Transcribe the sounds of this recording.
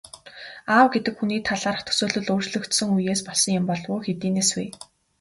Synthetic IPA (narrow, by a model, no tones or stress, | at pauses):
aːwɡet̪ɘ̆kxuniːt̪ʰaɮaːrə̆t̪ʰɵ̥soːɮɵ̆ɮʊːrt͡ɕɮɵ̆kt̪sɵ̆ŋujeːspɔɮsɞ̆ŋjʊ̆mpɔɮʁʊːxet̪iːneːsweː